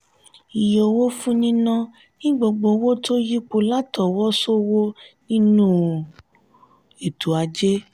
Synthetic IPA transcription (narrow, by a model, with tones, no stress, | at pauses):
i˨jo˨wo˦fũ˦nĩ˦nã˦ | nĩ˦ɡ͡bo˧ɡ͡bo˧wo˦to˦ji˦k͡po˧la˦tɔ˨wɔ˦so˦wo˦nĩ˦nũː˦˨ | e˨tʰu˨˦a˧d͡ʒe˦